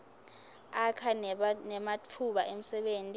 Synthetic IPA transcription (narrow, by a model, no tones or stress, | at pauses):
akʰanɛmatʰuɓaʔem̩sɛɓeːntʼi